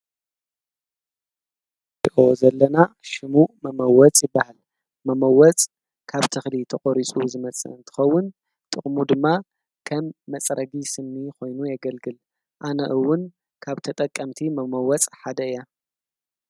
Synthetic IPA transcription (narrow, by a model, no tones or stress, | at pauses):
diʔozɐlːɐnaʃɨmuʔmɐmɐwɔt͡sʼjɪbːahal | mɐmɐwɔt͡sʼ | kʰaβt̪ʰɨxlit̪ʰɐχʼoɾit͡sʼuzɨmɐt͡sʼɐ̰ɨnt̪ʰɨ̥xɐwːʊn | t̪ʼɨχʼmud̪ɨmːa | kʰɐmːɐt͡sʼɾʔɐɡisɨmːikʰo̞jnujɐɡɐlɡɨl | ʔanɐʔɨwːʊn | kʰaβt̪ʰɐt̪ʼɐkʼːɐmt̪ʰimɐmɐwɔt͡sʼħad̪ɐɨja